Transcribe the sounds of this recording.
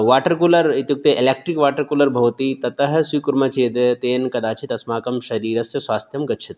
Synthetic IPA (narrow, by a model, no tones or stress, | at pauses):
ʋaːʈɐɾkulɐɾit̪juk̚t̪ɐʔeleːk̚ʈɾikʋaːʈɐɾkulɐɾbʱɐʋt̪it̪ɐt̪ɐɦɐ̆swiːkuɾmɐt͡ʃʰeːd̪t̪eːnkɐd̪aːt͡ʃʰit̪ɐsmaːkɐmʃɐɾiːɾɐsjɐswaːst̪ʰjɐmɡɐt͡ʃʰit̪̚